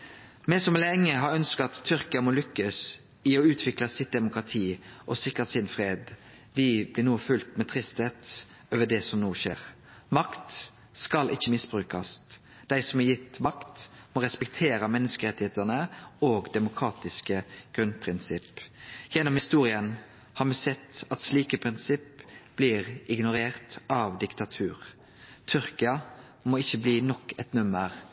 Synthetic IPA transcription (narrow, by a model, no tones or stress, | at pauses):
mɛsɔmlɛŋːəɦɑɾœnskɑɑt̪ʰːʏɾkəɑmoːlʏkːəs | ɪɔʉːt̪ʰʋɪklɑsɪt̪̚d̪ɛmʊkʁɑt̪ʰiːʔɔsɪkɾəsɪnfɾeːd̪ | ʋɪblɪnuːfʉlt̪mɛt̪ʰɾɪst̪heːt̪ | øːʋəd̪ɛsɔmnuːʃḛːɾ | mɑkt̪ | skɑlʔɪçːəmɪsbʁʉːkɑs | d̪̥æɪsɔmɑjɪt̪ːmɑkt̪ | mɔɾɛspɛk̚t̪ʰeːɾəmɛnːəskəɾɛt̪ːɪheːt̪ənəoːɡd̪ɛmʊkʰɾɑːt̪ɪskəɡ̥ɾʉnpʰɾɪnsɪpjɛnːɔmhɪst̪uːɾɪən | hɑːɾmɛsɛt̪ːɑt̪sliːkəpʰɾɪnsɪpb̥lɪːɾɪɡnʊɾeːɾt̪ɑʋd̪ɪkt̪ɑt̪ʰʉːɾ | t̪ʰʏɾkɪɑ | moɪçːəbliːnɔkːɛt̪nʉməɾ